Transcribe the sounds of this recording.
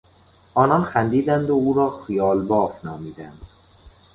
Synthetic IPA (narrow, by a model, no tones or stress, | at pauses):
ʔɒːnɒnxænd̪iːd̪ænd̪ouːɾɒːxijɒːlbɒːfnɒːmiːd̪ænd̪̥